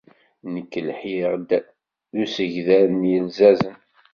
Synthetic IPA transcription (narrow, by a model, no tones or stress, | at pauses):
nəkːəlħiʁd̪ | usəʝðænjəlzæzən